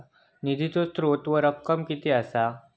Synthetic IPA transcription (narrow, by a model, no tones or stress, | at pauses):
nid̪ʱit̪ost̪ɾot̪ʋəɾəp̚kəmkit̪easa